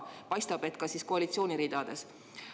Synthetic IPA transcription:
pɑjst̪ɑb̥e̞t̪kɑsisko̞ɑlit̪sio̞ːnʲiɾiːd̪̥ɑd̪̥e̞s

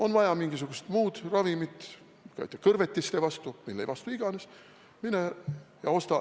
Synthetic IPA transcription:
o̞nvɑjɑmiŋɡ̥isuɡ̥ust̪muːd̪̥rɑvimit̪ː | kjt̪ːˑekɤrvet̪ʲːist̪evɑst̪umilːe̞jvɑst̪uiɡ̥ɑne̞s | minejɑo̞st̪ɑ

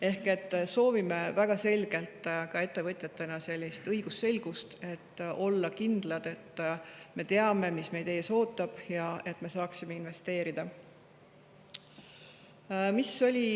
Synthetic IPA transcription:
e̞hke̞t̪ːˑso̞ːvime̞væɡ̥ɑse̞lʲɡ̥e̞lt̪ˑkɑe̞t̪ˑːe̞vɤt̪ʲˑjɑt̪ːˑenɑse̞lʲːist̪ɤjɡ̥usːe̞lɡ̥ust̪e̞t̪ːo̞lːɑkind̪̥lɑd̪̥e̞t̪ːˑme̞t̪e̞ɑme̞misme̞jd̪e̞jso̞ːt̪ːˑɑb̥jɑe̞t̪ːˑme̞sɑːksime̞inve̞st̪e̞ːɾid̪̥ɑ | miso̞lʲi

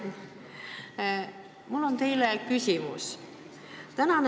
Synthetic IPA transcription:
mulːo̞nt̪e̞jlekysʲimus | t̪ænɑn

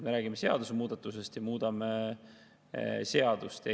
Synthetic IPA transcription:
meɾæːɡimese̞ɑ̰d̪̥usemuːd̪ɑt̪ːˑuse̞st̪jɑmuːd̪̥ɑme | se̞ɑd̪̥ust̪e

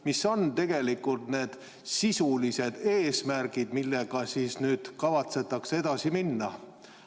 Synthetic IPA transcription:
misːo̞nt̪e̞ɡ̥e̞likːˑult̪ne̞ːd̪̥ | sisulise̞d̪̥e̞ːsmærɡid̪̥milːe̞ɡ̥ɑsiːsnyːd̪̥kɑvɑt̪se̞t̪ːˑɑksed̪̥ɑsiminːɑ

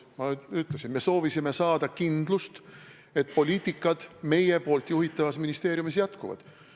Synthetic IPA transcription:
mɑyt̪ˑlesinme̞so̞ːvisime̞sɑːd̪̥ɑkind̪̥lust̪ | e̞t̪ˑpo̞lʲiːt̪ʲːˑikːˑɑd̪̥me̞je̞po̞ːlt̪juhit̪ːˑɑvɑsminist̪e̞ːɾjumisjæt̪kuvɑ̰d̪̥

